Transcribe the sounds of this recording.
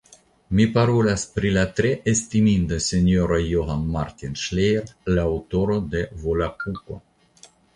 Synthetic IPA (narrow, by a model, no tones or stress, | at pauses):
mipaɾolaspɾilat̪ɾeʔest̪imind̪əsenjoɾajoɦanmaɾt̪inʃlejɾlawt̪oɾod̪evolakuko̰